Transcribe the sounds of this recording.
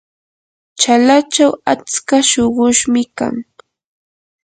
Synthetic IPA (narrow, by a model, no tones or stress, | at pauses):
t͡ʃalat͡ʃawat͡skaʃoɢʊʃmɪka̰ŋ